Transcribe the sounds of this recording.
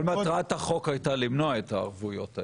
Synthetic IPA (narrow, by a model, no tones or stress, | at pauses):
lmatʁathaχo̞kajt̪alimnoaet̪aːʁvujota